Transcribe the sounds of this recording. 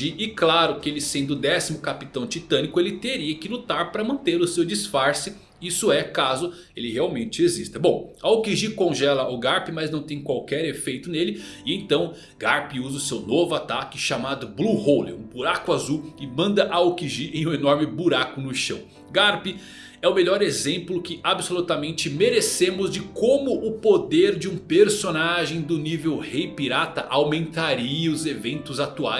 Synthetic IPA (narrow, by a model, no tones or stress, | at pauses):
iʔɪklaɾʊkɪelɪsẽnd̪ʊd̪ɛsimʊkapit̪ɐ̃w̃t͡ʃit̪ɐ̃nikʊelɪt̪eɾiɐkɪlut̪aɾpɾɐmɐ̃nt̪eɾʊsewd͡ʒisfaɾsɪ | isʊɛkazʊ | elɪheawmẽnt͡ʃɪezist̪ɐbõw̃ɐokiʒikõʒɛlɐʔʊɡaɾpɪmɐznɐ̃w̃t̪ẽj̃kwawkɛɾefejt̪ʊnelɪɪẽj̃t̪ɐ̃w̃ | ɡaɾpɪuzɐʊsewnovʊat̪akɪʃamad̪ʊbluhowlɪ̰ũbuɾakʊazuɪmɐ̃nd̪ɐʔaokiʒiʔẽj̃ũenɔɾmɪbuɾakʊnʊʃɐ̃w̃ | ɡaɾpɪ | ɛʊmeʎɔɾezẽmplʊkɪʔabsolut̪amẽnt͡ʃɪmeɾesẽmʊzd͡ʒɪkõmʊʔʊpod̪eɾd͡ʒɪũpeɾsonaʒẽj̃d̪ʊnivewhejpiɾat̪ɐʔawmẽnt̪aɾiɐʊzevẽnt̪ʊzat̪ua̰j